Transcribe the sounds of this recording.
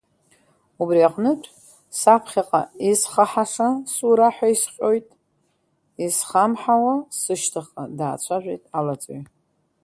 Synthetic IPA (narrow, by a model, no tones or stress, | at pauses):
ubriaqʼnɨtʷʼ | sapʰχʲaqʼa̰isχaħaʂasuɾaħʷᶣaisχʲʼo̞jtʼ | isχamħawasɨʃtʰaχʼa̰daːt͡sʷʰaʒʷejtʼalat͡sʼo̰j